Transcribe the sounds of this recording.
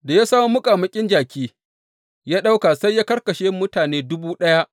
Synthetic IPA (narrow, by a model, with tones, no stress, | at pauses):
da˨ja˦saː˦m˦mʊ˦kʼaː˨mɐ˦kʲʼɪ˦nd͡ʒaː˨kʲiː˦ | jaː˦ɗa˦wka˨sa˦jːaː˦kɐ˦rkɐ˨ʃeː˦mʊ˦taː˨neː˦dʊ˦buː˦ɗɐ˦ja˦ʔ